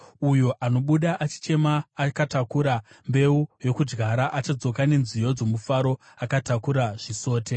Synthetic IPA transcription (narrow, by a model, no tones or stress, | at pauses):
ujo̞ʔano̞ɓuɗaʔat͡ʃi̥t͡ʃe̞maːkatakuɾa | mbe̞ujo̞kud͡ʒɡʱaɾaʔat͡ʃad͡zo̞kane̞nzijo̞d͡zo̞mufaɾo̞ | akatakuɾaʐiso̞ːte̞